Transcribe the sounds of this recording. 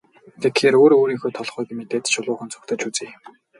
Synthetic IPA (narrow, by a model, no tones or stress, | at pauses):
t̪ʰek̪xeːɾoːɾoːɾiːŋxoːt̪ʰɔɮχuːjɡimet̪eːt̪ʃʊɮʊːχə̆nt͡sʰʊ̥kt̪ʰə̆t͡ɕut͡seːj